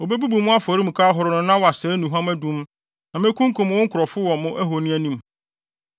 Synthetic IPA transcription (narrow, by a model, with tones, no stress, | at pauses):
o˨be˦bu˦bu˨mʊ̃˦a˦fɔ˨ɾi˦m̩˨kʰaː˦ɦʊ˨ɾʊ˨nʊ̃˦nã˦wɔ˨a˨sɛː˨˦nũ˨ɦã˦mæ˦dũ˦m | nã˨mɪ̃˦kʰũ˦ŋ˦kʰʊ̃˨m˨wʊ̃˦ŋ̩˦kʰʊ˨ɾɔ˨fʊ˦wɔ̃˨mʊ̃˦ʔæ˦ɦo˨nĩ˦æ˦nĩ˦˨m